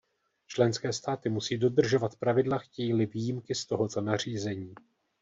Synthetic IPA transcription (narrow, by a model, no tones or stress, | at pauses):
t͡ʃlɛnskɛːst̪aːt̪ɪmusiːdo̞d̪r̩ʒo̞vat̪pɾavɪdlaxcɛjiːlɪvijimkɪst̪o̞ɦo̞t̪o̞nar̝iːzɛɲiː